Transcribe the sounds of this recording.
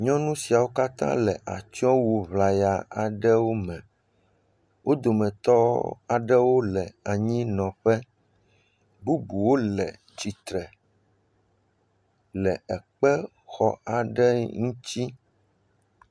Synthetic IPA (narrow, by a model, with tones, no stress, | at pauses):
ɲɔ̃˦nũ˦si˨a˨wo˦ka˦t̪ã̰˦lɛ˨ʔa˨t͡ʃɔ̃˦wo˨βla˨ja˨a˨ɖɛ˦wo˦mɛ̃˨ | wo˦d̪o˨mɛ̃˨t̪ɔ˦a˨ɖɛ˦wo˦lɛ˨a˨ɲĩ˦nɔ̃˨ɸɛ˦ | bu˦bu˨wo˦lɛ˨ | t͡ɕi˨t̪ɾɛ˨ | lɛ˨ɛ˨k͡pɛ˦ | xɔ˦˨a˨ɖɛ˦ŋũ˦t͡ɕi˦